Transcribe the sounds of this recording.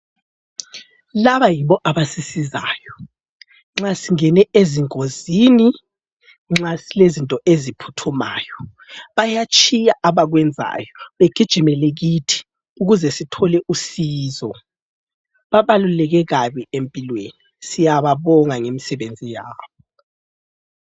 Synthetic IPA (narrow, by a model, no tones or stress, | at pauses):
laβajiβɔʔaβasisiza̰ːjɔ | ŋ͡ǁasiŋɛnɛʔeziŋoziːni | ŋ͡ǁasilezintʼɔʔezipʰu̥tʰuma̰ːjɔ | βajat͡ʃʼʰijaʔaβaɣwɛnd͡zʱa̰ːjɔβeɡ̥ʱid̥ʒ̥ʱimɛlɛɣitʰi̥ | uɣuzɛsitʰɔlɛʔusiːzɔ | βaβalulɛɣɛɣaβiempʼilwenisijaβaβɔŋaŋemisɛβend͡zʱijaːβɔ